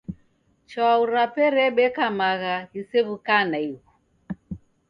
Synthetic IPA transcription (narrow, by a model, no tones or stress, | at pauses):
t͡ʃɔauɾapɛɾɛɓɛkamaɣaɣisɛβukanaiɣu